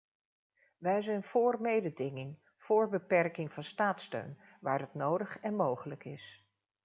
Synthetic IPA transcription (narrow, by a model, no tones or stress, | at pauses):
ʋɛjzɛjnv̥ʊːɹmejdədɪŋɪŋ | v̥ʊːɹbəpɛrkɪŋvɑnstaːtstø̰ɥn | ʋaːɹdɑtnowdəχɛnmowχələkɪs